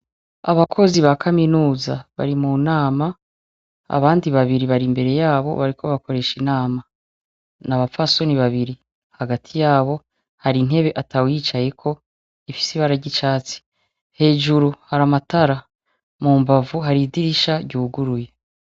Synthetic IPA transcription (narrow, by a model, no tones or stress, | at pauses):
a̰βakʰo̞ziβakʰaminuːzaβa̰ɾimunaːma | a̰βaːndiβaβiɾiβaɾimbe̞ɾe̞jaːβo̞̰βaɾikʰo̞βako̞ɾe̞ʃinaːma | naβafaso̞niβaβiɾi | haɡatʰijaːβo̞ | haɾin̥he̞βe̞ʔatawit͡ʃaje̞kʰo̞ | ifi̥siβaɾaɟit͡ʃaːt͡si̥ | he̞ːʒuɾuhaɾamataɾa | muːmbavuɦaɾidiɾiʃaɟuːɡuɾuje